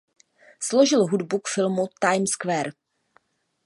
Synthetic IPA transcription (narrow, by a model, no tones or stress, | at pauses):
slo̞ʒɪlɦudbukfɪlmut̪ajmskvɛːɾ